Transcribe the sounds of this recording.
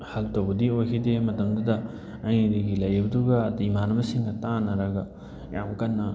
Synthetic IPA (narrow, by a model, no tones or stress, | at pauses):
hɐltɐwbɐdiojkʰidemɐtɐmdɐdɐː | jnidɐɡilɐjɾibɐduɡɐːdiimanɐmɐsiŋɡɐtanɐɾɐɡɐ | ja̰mkɐnːɐ